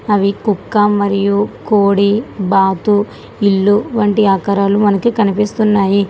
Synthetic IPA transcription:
ɐʋikukːɐmɐɾijukoːɽibaːt̪u | ilːuʋɐɳʈiaːkɐɾaːlumɐnɐkikɐnipist̪unːaːji

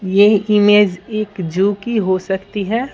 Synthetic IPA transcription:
jeɪmeːd͡ʒeːkd͡ʒuːkiɦosɐkt̪iɦɛː

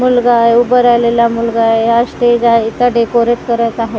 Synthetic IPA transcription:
mulɡaeubəɾalelamulɡaeəsʈed͡ʒaɦeit̪aɖekoɾeʈ̪kəɾət̪aɦe

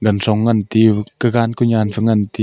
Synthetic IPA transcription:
ɡɐnsɔŋːant̪ikəɡankuɲaːnfəŋant̪i

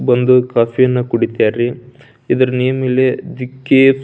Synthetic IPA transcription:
bɐnd̪ukaːfʰijɐnːɐkuɽit̪jaːɾi | id̪ɐɾɐneːjɐmeːled̪ikːep

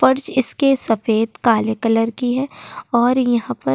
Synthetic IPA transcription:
fɐɾd͡ʒɪskesɐfeːd̪kaːlekələɾkiɦɛɔːɾjɐɦãpɐ

